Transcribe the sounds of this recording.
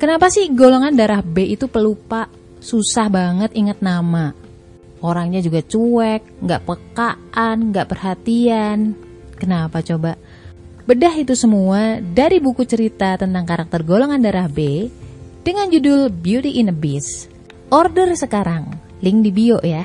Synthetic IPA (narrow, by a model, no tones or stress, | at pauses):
kənapasɪhɡoloŋandaɾahbeit̪upəlupaʔ | susahbaŋət̪iŋət̪̚nama | ʔoɾaŋɲad͡ʒuɡat͡ʃuɛk̚ŋɡaʔpəkaanŋɡaʔpərɦat̪ian | kənapat͡ʃoba | bədaɦit̪usəmuadaɾibukut͡ʃəɾit̪at̪ənt̪aŋkaɾak̚t̪ərɡoloŋandaɾahbe | d̥əŋand͡ʒudʊlbiut̪iʔːnəbɪs | ʔɔrdərsəkaɾaŋ | lɪŋdibioʔja